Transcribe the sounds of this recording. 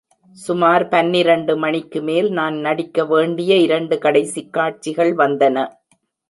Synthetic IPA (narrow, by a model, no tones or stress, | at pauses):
sʊmaːɾpɐnːɪɾɐɳɖɯmɐɳɪkːɯmeːlnaːnnɐɽɪkːɐʋeːɳɖɪjɐɪɾɐɳɖɯkɐɽɐɪsikːaːʈ̚t͡ʃːɪɣɐɭʋɐnd̪ɐnɐ